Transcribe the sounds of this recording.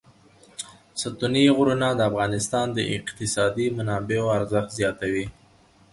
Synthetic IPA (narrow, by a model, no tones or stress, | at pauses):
sət̪uniɣɾunad̪əafɣɑnɪst̪ɑnd̪əʔɪ̰qt̪ɪsɑd̪imanɑbeoaɾzəxt̪zjɑt̪awi